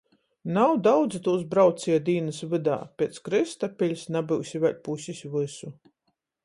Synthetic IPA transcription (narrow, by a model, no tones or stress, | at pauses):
nawd̪awd̪zit̪uːs̬bɾawt̪siːɛd̪iːnɨsvɨd̪a̰ːpʲeɛt̪skɾɨst̪apʲilʲsnabɨwsʲivɛlʲpusʲisʲvɨsu